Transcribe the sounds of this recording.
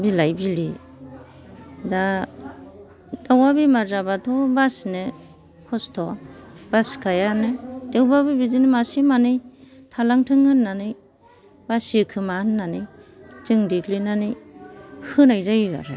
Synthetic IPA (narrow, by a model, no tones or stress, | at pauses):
bilajbili | da | dawabimaɾzabatʰɔbasnɯ | kʰɔstʰɔbaskʰajanɯdewbabibidinɯmasimanɯjtʰalaŋtʰɯŋhɯnːanɯj | basikʰɯmahɯnːanɯjtɯŋdiɡlinanɯj | hɯnajzajɡa̰ɾɯ